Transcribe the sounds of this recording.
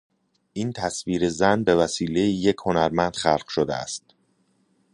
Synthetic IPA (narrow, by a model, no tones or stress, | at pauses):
ʔiːnt̪ʰæsviːɾezænbe̞væsiːle̞jije̞cʰho̞næɾmænd̪̥xælɢ̥ʃod̪eæ̰st̪